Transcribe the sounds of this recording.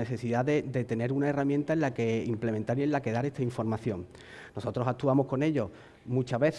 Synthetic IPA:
eθe̞siðaðed̪e̞t̪e̞ne̞ɾunaeramjẽ̞nt̪aenlake̞imple̞ment̪aɾie̞nlake̞ðaɾe̞st̪aiɱfo̞ɾmaθjo̞ŋ | no̞so̞t̪ɾosak̚t̪uamohko̞ne̞ʎo̞ | mũt͡ʃaβe̞θ

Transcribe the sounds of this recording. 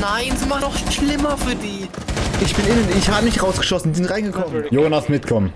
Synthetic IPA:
naɪnzimaχdɔχʃʃlɪmɐfyːɐdiː | ʔɪçb̥ɪnɪnənɪçhaːbəmɪçʁaʊsɡ̥ə̥ʃɔsn̩izɪntʁaɪnɡəkʰɔmənjoːnasmɪtkʰɔm

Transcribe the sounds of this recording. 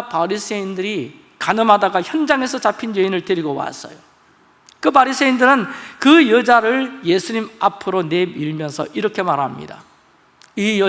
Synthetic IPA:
paɾisʰeindɯɾi | kanɯmɦadaɡaçjʌnd͡ʑaŋe̞sʰʌt͡ɕapʰind͡ʑeinɯɭteɾiɡowa̰s͈ʌ̰jo | kɯpaɾisʰeindɯɾɯnkɯjʌd͡ʑaɾɯɭje̞sʰuɲimapʰɯɾone̞miɭmjʌnsʰʌʔiɾʌkʰe̞maɾɦamɲḭda̰ | ijʌ

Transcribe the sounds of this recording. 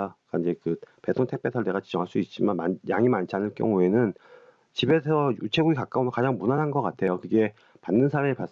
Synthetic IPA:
kaind͡ʑe̞kɯpe̞tʰoŋtʰek̚p͈ʰe̞tʰaɭde̞ɣat͡ɕid͡ʑʌŋɦaɭs͈uit̚t͡ɕ͈imanmajaŋimant͡ɕʰianɯɭkjʌ̰ŋue̞nɯn | t͡ɕibe̞sʰʌjut͡ɕʰe̞ɡuɡikak͈aonɯkad͡ʑaŋmunanɦanɡʌk͈atʰe̞jokɯɡe̞ | panːɯnsʰaɾiɯɭpas

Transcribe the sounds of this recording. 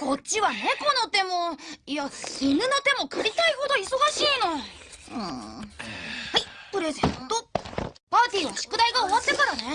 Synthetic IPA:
ko̞t͡ɕiβane̞ko̞no̞t̪e̞moiainɯ̟not̪e̞mo̞kɯ̟ɾʲit̪aiho̞d̪o̞iso̞ɡaɕiːno | ɯ̟̰̃ː | haipɯ̟ɾe̞zẽ̞̰nt̪o̞ | paːt̪ʲiːoɕɨ̥kɯ̟d̪aiɡaoβat̪ːe̞kaɾane

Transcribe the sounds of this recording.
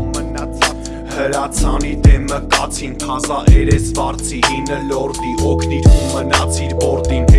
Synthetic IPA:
mənɑt͡sʰɑ | həɾɑt͡sʰɑnid̪ɛmːəkɑt͡sʰink̪ʰɑzɑʔɛɾɛsvɑɾt͡sʰiɦinəlɔɾd̪iʔɔkʰniɾumːənɑt͡sʰiɾbɔɾt̪in

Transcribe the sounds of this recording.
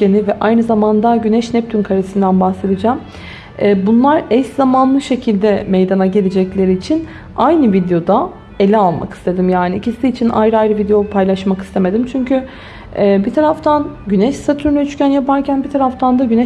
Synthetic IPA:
enivɛʔajnɯzamand̪aɟynɛʃnɛp̚t̪ʰynkʰaɾesɯnd̪ænbaxse̞d̪ɯd͡ʒaːm | ɛːbunlˠaɾɛszamanlˠɯʃe̞cʰilʲd̪ɛmejd̪anaɟe̞lʲed͡ʒɛclʲe̞ɾiːt͡ʃʰin | ajnɯvid̪ejo̞d̪a | e̞lʲɛalˠma̰ki̥st̪ʰe̞d̪imjaːniicisiːt͡ʃʰinʔajɾɯajɾɯvid̪ejopʰajlˠaʃmaki̥st̪ʰe̞me̞d̪imt͡ʃʰyɲcy | ɛːbit̪ʰaɾaft̪ʰanɟynɛʃsat̪ʰyɾnɛyt͡ʃcænjapaɾcʰænbit̪ʰaɾaft̪ʰand̪aɟynɛ

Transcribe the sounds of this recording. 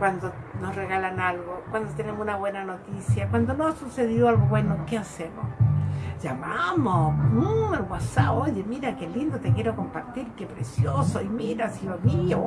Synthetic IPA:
kwand̪onosreɣalanalɡokwand̪ot̪enemunaβwenanot̪isjakwand̪onosuseðjoalɡobwenokeasemo̰ | d͡ʒamamouelwasaojemiɾakelind̪ot̪ekjeɾokompaɾt̪iɾkepɾesjosoimiɾasibamio

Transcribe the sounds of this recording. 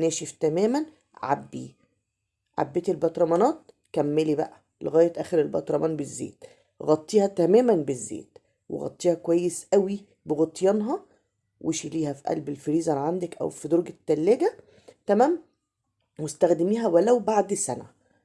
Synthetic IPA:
næːʃift̪æmæːmæn | ʕa̰bːi | ʕa̰bːet̪ilbɑt̪ɾˤɑmɑnɑːt̪̚ | kæmːelibæ̰ʔæ | lḛɣæːjet̪ʔæːxeɾelbɑt̪ɾˤɑmɑːnbezːḛːt̪ | ɣɑt̪ˤːiːhɑt̪æmæːmænbezːḛːt̪ | wḛɣɑ̰t̪ˤːiːhɑkwæjːesʔæwi | beɣot̪ˤjɑnɦɑ | wʔeʃiliːhæfiʔæ̰lbelfeɾiːzælʕand̪ækʔæ̰wfid̪oɾɡæt̪ːælːeɡæ | t̪æmæːm | west̪æxd̪ɪmiːɦæwælæwbaʕd̪sænæ̰

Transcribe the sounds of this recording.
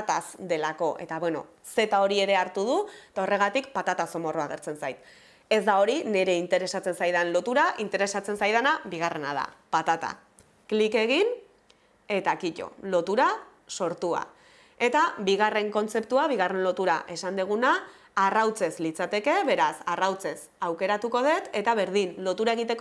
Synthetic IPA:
t̪asd̪e̞lako̞ʔe̞̰t̪aβweno̞̰ | se̞t̪ao̞ɾie̞ɾe̞aɾt̪uð̞ut̪ao̞re̞ɣ̞at̪ikpat̪at̪aso̞mo̞roaɣ̞eɾt͡se̞nsajt̪ | e̞zd̪ao̞ɾine̞ɾe̞int̪e̞ɾe̞sat͡se̞nsajð̞anlo̞t̪uɾaʔint̪e̞ɾe̞sat͡se̞nsajð̞anaβiɣare̞na̰ða̰pat̪at̪a̰ | klike̞ɣin | e̞t̪akiʎo̞̰lo̞t̪uɾa | so̞ɾt̪ua̰ | e̞t̪abiɣ̞are̞ŋko̞nt͡se̞pt̪uaβ̞iɣ̞are̞nlo̞t̪uɾaʔe̞sand̪eɣ̞unaː | rawt͡se̞zlit͡sat̪e̞ke̞βe̞ɾasarawt͡se̞s | awke̞ɾat̪uko̞ð̞e̞t̪e̞t̪aβe̞ɾðinlo̞t̪uɾae̞ɣ̞it̪e̞k

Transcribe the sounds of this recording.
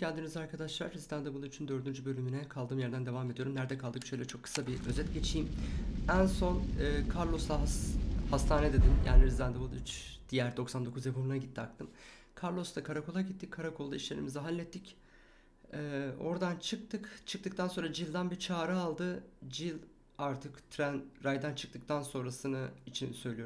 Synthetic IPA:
cʰɛnd̪imizaɾkʰad̪aʃlˠa̰ɾːizd̪and̪ebɯlˠyt͡ʃʰynd̪ø̞ɾd̪ynd͡ʒybø̞lʲyminɛkʰalˠd̪ɯːmjæɾd̪ænd̪e̞vame̞d̪ijo̞ɾumnæɾd̪ɛkʰalˠd̪ɯkʃø̞jlʲɛt͡ʃʰo̞kʰːɯ̥sabiø̞zɛt̪ɟe̞t͡ʃʰijmænso̞nɯːkʰaɾlˠo̞slˠaɦhast̪ʰaːnɛd̪e̞d̪imja̰ːniɾizd̪ænd̪ebɯlˠyt͡ʃd̪̥ijæɾd̪o̞ksand̪o̞kʰuzepʰumunaɟit̪ʰːiakt̪ʰɯm | kʰaɾlˠo̞st̪akʰaɾako̞lˠaɟit̪ʰːickʰːaɾakʰo̞lˠd̪aiʃlʲe̞ɾḭmiziɦanʲːɛt̪ːic | ɛːo̞̰ɾd̪ant͡ʃʰɯk̚t̪ʰɯkt͡ʃʰɯk̚t̪ɯk̚t̪ʰanso̞nɾad͡ʒilʲˠd̪anbiɾt͡ʃʰaːɾɯalˠd̪ɯd͡ʒilʲ | aɾt̪ʰɯkt̪ʰɾænɾajd̪ænt͡ʃʰɯ̥k̚t̪ʰɯk̚t̪ʰanso̞nɾasɯnɯit͡ʃʰinsø̞jlʲijom

